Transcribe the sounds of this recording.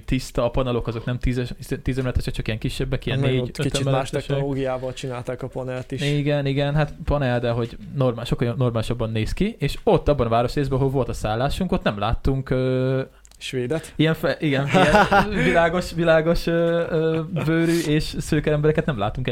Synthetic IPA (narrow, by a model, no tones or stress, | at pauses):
t̪ist̪ɒːpɒnɛlo̞kɒzo̞knɛmt̪izɛst̪iːzɛmlɛt̪ːɛt͡ʃɒkt͡ʃɒkijɛŋkiʃːɛbːɛkijɛnːeːɟøit̪tmbɛlmːʃt̪ɛʃnoloːɡijaːvɒlt͡ʃinaːlt̪aːkɒpɒnɛlt̪iʃiɡɛniɡɛnɦat̪pɒnɛld̪ɛɦo̞ɟnormaːʃo̞kːɒjonːo̞rmaːliʃɒbːɒnːeːskieːʃo̞t̪ːɒbːɒnɒvaːɾo̞ʃreːzbɛɒɦolvo̞lt̪ɒsaːlːaːʃuŋkot̪nɛmlaːt̪ːuŋkøː | ʃʋeːd̪ɛt̪ijɛɱfɛʔiɡɛniɛvilaːɡo̞ʃvilaːɡo̞ʃøːøːbøːɾyʔeːʃsøːkɛɾɛmbɛɾɛkɛt̪nɛmlaːt̪ːuŋkɛ